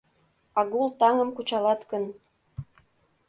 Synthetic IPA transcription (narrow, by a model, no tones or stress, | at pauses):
ɑɣulˠt̪ɑŋə̆mkut͡ɕɑlɑt̪kə̆n